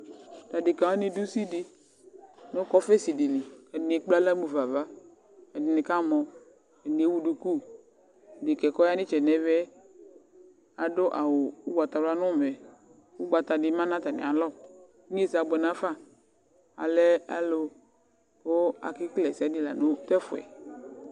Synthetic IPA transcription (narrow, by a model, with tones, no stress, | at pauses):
d̥a˨di˨kã˨a˦ni˨du˦si˦di˨ | no˦kɔ˦fɛ˦si˨di˨ni˨ka˨dɪ˨k͡pla˦la˦mu˨va˨va˦ | ka˨di˨ni˨ka˦mɔ˨ | ke˨ni˨e˦wu˦du˨ku˦˨ | di˨kɛ˨kɔ˦ja˦nĩ˦t͡ʃɛ˨nɛ˨vɛ˦ | a˨do˦ʔa̰˨wo˨u˦ɡ͡ba˨t̪a˨la˦nʊ̃˦˨mɛ˨ | wu˦ɡ͡ba˨t̪a˨dɪ˨˦mã˦nã˦t̪a˨nɪ̰˨a˨lɔ˦˨˦ | ɲ˦e˦˨sa˨ɡ͡bɛ˨nã˦fa˦ | a̰˨lɛ˦a̰˦lo˦ | o˦a̰˨kɪ˦klɛ˨si˨a˦di˦la˨no˦t̪ɛ˦fʊ˨ɛ̰˨